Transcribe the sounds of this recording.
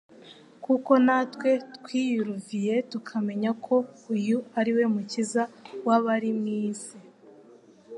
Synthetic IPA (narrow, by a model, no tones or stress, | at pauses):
kuko̞natwe̞tkwiːjuɾuvije̞tukʰame̞ɲakʰo̞ujuaɾiwe̞mucizawaβaɾimŋiːsi